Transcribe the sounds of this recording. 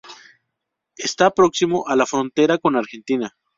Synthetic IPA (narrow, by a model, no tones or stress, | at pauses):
est̪apɾo̞ksimo̞ʔalafɾo̞nt̪e̞ɾako̞naɾxe̞nt̪ina